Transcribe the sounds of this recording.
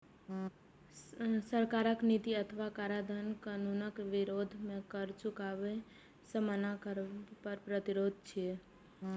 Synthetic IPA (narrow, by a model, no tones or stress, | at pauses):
səɾkaɾəknit̪iət̪ʰʋakaɾad̪ʱənkənunəkʋɪɾod̪ʱmẽkəɾt͡ʃʊkaʋe | səmanakəɾpəɾpɾət̪iɾod̪̚ʱt͡ʃʰie